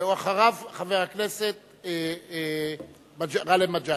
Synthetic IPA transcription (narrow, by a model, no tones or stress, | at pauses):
uaχaʁavχave̞ʁhakneset̪̚ | e | mad͡ʒʁalemad͡ʒa